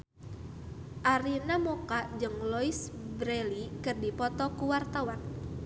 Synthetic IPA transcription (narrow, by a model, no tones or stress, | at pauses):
ʔaɾinamɔkad͡ʒɨŋlɔisbɾɛlikɨrdipɔt̪ɔkuwart̪awan